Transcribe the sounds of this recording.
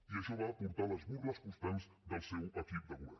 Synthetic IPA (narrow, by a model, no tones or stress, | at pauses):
iəʃɔβaːpuɾt̪aləzβurləspust̪ɛmzd̪əlˠsɛwəkip̚d̪əβuɛ̰